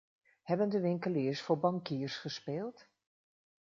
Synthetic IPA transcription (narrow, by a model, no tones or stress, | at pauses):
hɛbəndəʋɪŋkəlɪːsfʊːɹbɑŋkiːɹsχəspeːlˠt